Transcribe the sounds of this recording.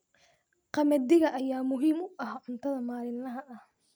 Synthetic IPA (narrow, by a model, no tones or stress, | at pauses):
qɑmɐd̪ɪɣɐʔɐjaːmʊɦiːmʊʔɐhʕʊnt̪ʰɐðɐmaːlɪnːɐɦɐʔɐh